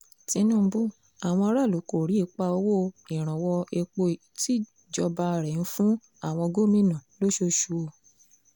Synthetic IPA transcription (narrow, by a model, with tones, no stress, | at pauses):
tĩ˧nũː˦˨˧bu˦ | a˨w̃ɔ̃˧ɔ˧ɾa˦˨lo˨˦ko˦˨ɾi˨˦i˦˧˦k͡pa˧o˧˦wo˦˨ĩ˨ɾ̃ã˨wɔ˧e˧k͡po˧˨ | ti˦ | d͡ʒɔ˧ba˧ɾɛ˨n̩˦fũ˦ | a˦˨w̃ɔ̃˧ɡo˦mĩ˦˨nã˨lo˦ʃo˧ʃu˧o˧